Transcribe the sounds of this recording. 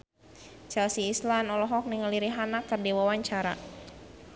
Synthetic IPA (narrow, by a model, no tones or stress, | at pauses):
t͡ʃɛlsiːslanɔlɔɦɔk̚niŋəliɾiɦanak̚kərdiwawaɲt͡ʃaɾa̰